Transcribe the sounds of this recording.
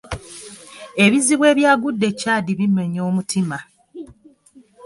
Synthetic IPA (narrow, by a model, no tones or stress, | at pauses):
e̞βiziβwe̞ːβjaːɡudːe̞cːaːdiβime̞ɲo̞ːmutʰima